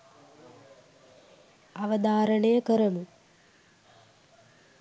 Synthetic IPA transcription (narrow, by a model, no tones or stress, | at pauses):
aʋəd̪aːɾəɳejəkəɾɐmu